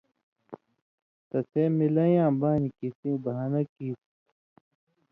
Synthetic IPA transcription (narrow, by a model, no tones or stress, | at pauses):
t̪ɐsʰeːmilɐjãːbaːnikisĩːbɐanɐkiːt